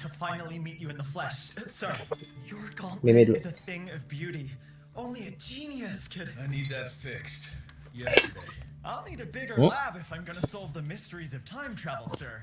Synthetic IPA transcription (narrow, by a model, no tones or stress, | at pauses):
kʰəfãɪ̃nl̩ˠimit͡ʃɨɨ̃nðəflɛʃsɑɹijə˞ɡɑ̃nmemedzɨθɪ̃ŋʌvbjʉɾi | ʔõʊ̃nliɨd͡ʒĩnjɨskʰɨdaɪnid̪̚ðɨtfɪkst | jɛaɪdõʊ̃nːiɾɨbɪɡə˞læbɨfãɪ̃mɡʌnɨsɑlˠvðəmɪstə˞izʌv̥tʰãɪ̃mtʰɹ̥ævl̩ˠssɜ˞